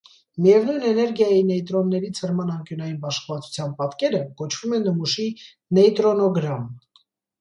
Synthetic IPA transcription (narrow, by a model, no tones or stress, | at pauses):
mijɛvnujnɛnɛɾɡjɑjinɛjt̪ɾɔnːɛɾit͡sʰəɾmɑnɑŋkjunɑjinbɑʃkvɑt͡sʰu̥t͡sʰjɑnpɑt̪kɛɾəkɔt͡ʃʰv̥umɛnːəmuʃi | nɛjt̪ɾɔnɔɡɾɑm